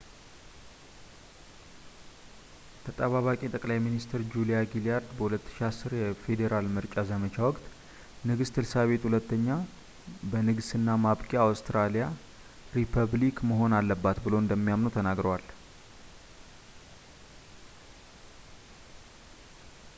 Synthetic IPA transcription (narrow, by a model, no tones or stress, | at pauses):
t̪ʰət̪ʼəβaβakʼit̪ʼəkʼlajminist̪ʰɨɾd͡ʒulijaɡilijaɾd̪bəhulət̪ːɨ̥ʃiasːɨɾjɛfe̞d̪eɾalmɨɾt͡ʃʼazəmət͡ʃawɔkʼt̪ | nɨɡɨst̪ʰɨlsaβe̞t̪hulət̪ːəɲːa | bənɨɡɨsɨnːamaβkʼiawst̪ɾalija | ɾipʰəβlikməɦo̞nalːəbːat̪bɨloɨnd̪əmːijamnot̪ʰənaɡɾəwal